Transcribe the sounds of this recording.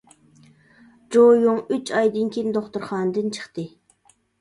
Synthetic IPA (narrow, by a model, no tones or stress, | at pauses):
d͡ʒojuŋyt͡ʃʰɑjd̪ɨnkʲʰind̪oχt̪uɾχɑːnd̪ɨnt͡ʃʰə̥χt̪ɨ